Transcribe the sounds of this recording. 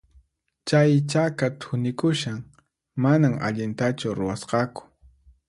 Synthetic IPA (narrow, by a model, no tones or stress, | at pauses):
t͡ʃajt͡ʃakat̪ʰʊnɪkʊʃaŋ | manaŋa̰ʎɪnt̪at͡ʃʊɾʊwasqɑkʊ̥